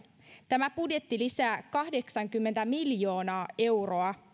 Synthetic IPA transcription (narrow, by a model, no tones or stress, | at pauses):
t̪æmæbudje̞t̪ːilisæːkɑhde̞ksɑŋkymːent̪æmiljo̞ːnɑːe̞wro̞ɑ